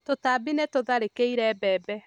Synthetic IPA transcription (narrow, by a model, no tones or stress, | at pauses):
totaːbinɛtoðaɾekeiɾɛbɛːbɛ